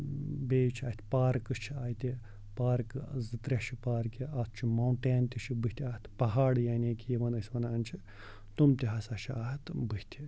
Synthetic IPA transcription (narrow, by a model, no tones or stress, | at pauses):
beːt͡ʃʰaːt̪ʰʲpaːɾkɨt͡ʃʰiaːjt̪ʲi | paːɾkɨzɨt̪ɾʲɐʃʰipaːɾkiat̪ʰt͡ʃʰimawɳʈeːnt̪ʲiʃʰibɨ̥t̪ʰʲaːt̪ʰpɐɦaːɽjaːneːkʲijeʋɐnɐsʲʋɐnaːnt͡ʃʰi | t̪umt̪iɦɐsaːʃʰaːt̪ʰbɨht̪ʰʲi